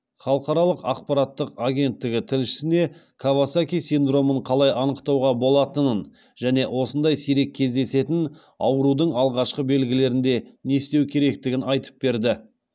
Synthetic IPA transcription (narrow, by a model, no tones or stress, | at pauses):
χɑlˠəqɑɾɑlˠəqɑ̰q̚pɑɾat̪ːəqaɡʲe̞nt̪ːɪɡʲɪt̪ʰɪlʃɪ̥sɪne̞kʰavasakʲijsind̪ro̞məɴqʰɑlˠɑjɑnəqt̪ɑwʁɑbo̞lˠɑt̪ənən | ʒ̥æne̞wʔo̞sənd̪ɑjsiɾe̞kʲʰːe̞zd̪e̞se̞t̪ɪn | ɑ̰wəɾud̪əɴɑlˠʁɑʃqəbe̞lɡʲɪle̞ɾɪnd̪e̞ne̞st̪e̞wkʲʰe̞ɾe̞kt̪ɪɡʲɪnɑjt̪ə̥p̚be̞ɾd̪ɪ